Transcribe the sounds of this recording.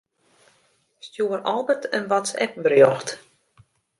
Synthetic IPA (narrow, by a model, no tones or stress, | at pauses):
stjuərʔɔlˠbətənʋɔtsɛ̰p̚bərjɔxt